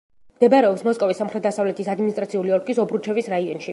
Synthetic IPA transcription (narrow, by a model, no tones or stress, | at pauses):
md̪ɛbaɾɛɔpsmɔskʼɔvisːamχɾɛt̪̚d̪asavlɛt̪ʰisad̪minist̪ʼɾat̪sʰiuliɔɾɡʼisɔbɾut͡ʃʰɛvisɾaiɔnʃi